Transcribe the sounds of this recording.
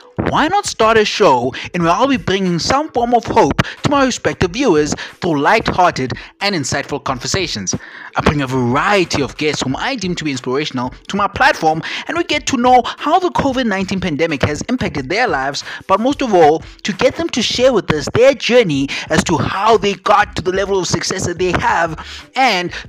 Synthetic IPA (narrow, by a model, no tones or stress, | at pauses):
waɪnɔtstɑɹɾəʃoʊɨ̃nwiaɪlˠbibɹɪ̃ŋɪ̃ŋsãɱfɔɹmɔv̥hoʊptʰumaɪɹɪspɛk̚tɨvːjuəz̥θɹulaɪthɑɾɨdɨ̃nɪ̃nsaɪtfəlˠkʰɔ̃ɱvə˞seɪʃə̃nz̥aɪbɹɪ̃ŋəvəɹaɪjɨtʰiɔvɡɛstshũma̰ɪdĩmtʰubiɪ̃nspəɹeɪʃənəlˠtʰumaɪpʰl̥ætfɔɹmɨ̃nwiɡɛtʰunoʊhaʊðəkʰovɨdⁿnãɪ̃ntʰĩnpʰæ̃ndɛmɪkhɨzɪ̃mpæk̚tɨd̪̚ðə˞laɪvz̥b̥ʌt̚moʊstɔvɔlˠ | tʰuɡɛt̪̚ðə̃mtʰuʃɛɹwɪðɪsðə˞d͡ʒɜ˞niæz̥tʰuhaʊðeɪɡɔtʰːuðəlɛvəl̩ˠɔv̥sɨksɛsðɨt̪̚ðeɪəvɨ̃n